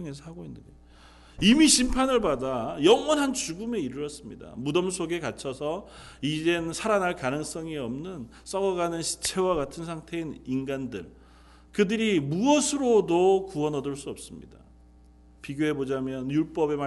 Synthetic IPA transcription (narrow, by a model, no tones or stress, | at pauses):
ŋe̞s̬ʰʌhaɡoinːɯnde | imiɕʰimpʰanɯɭbadajʌŋwʌnɦant͡ɕuɡume̞iɾɯɾʌs͈ɯmɲḭda̰mudʌmsʰoɡe̞kat͡ɕʰʌsʰʌiɾensʰaɾanaɭkanɯŋs͈ʌŋiʌmnɯn | s͈ʌɡʌɡanɯnɕʰi̥t͡ɕʰe̞waɡatʰɯnsʰaŋtʰe̞ininɡandɯ̰ɭ | kɯdɯɾimuʌsʰɯɾodokuʌnʌdɯɭs͈uʌp̚s͈ɯmɲḭda̰ | piɡjoɦe̞bod͡ʑamjʌnjuɭp͈ʌbe̞ma